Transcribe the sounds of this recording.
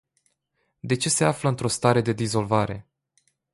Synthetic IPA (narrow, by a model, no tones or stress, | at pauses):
d̪e̞t͡ʃe̞se̞afləɨnt̪ɾo̞st̪aɾe̞d̪e̞d̪izo̞lvaɾe̞̰